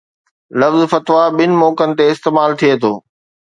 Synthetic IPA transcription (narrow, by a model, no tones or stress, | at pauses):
lɐfzfɐt̪ʋaɓɪnɪ̆mɔːkənɪ̆t̪eɪst̪eːmaːlt̪ʰijet̪ʰoː